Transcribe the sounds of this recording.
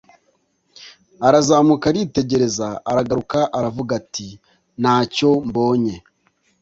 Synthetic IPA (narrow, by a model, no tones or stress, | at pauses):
aɾazaːmukaɾite̞ɟeɾe̞zaaɾaɡaɾukaʔaɾavuɡati | n̥aːco̞mbo̞ːɲe̞